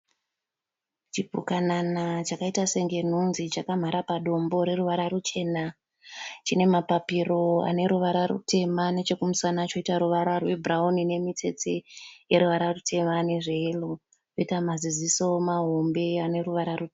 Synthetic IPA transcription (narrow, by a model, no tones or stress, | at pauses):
t͡ʃibʱṵkananat͡ʃakaitaseŋɡe̞n̤unzit͡ʃakam̤aɾapaɗo̞mbo̞ɾe̞ɾuʋaɾarut͡ʃe̞ːna | t͡ʃine̞mapapiro̞a̰ne̞ɾuʋaɾarṵte̞mane̞t͡ʃe̞kumusanat͡ʃo̞itaɾuʋaɾarwebʱraunine̞mite̞̰t͡sejeɾuʋaɾarutʰe̞mane̞ʐeːlo | joitamaziziso̞maɦo̞mbe̞ane̞ruʋaɾaru